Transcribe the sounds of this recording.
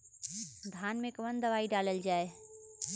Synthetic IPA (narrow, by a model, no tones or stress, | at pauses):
d̪ʱaːnmẽkɐʋənd̪ɐʋaːiɖaːləld͡ʒaːe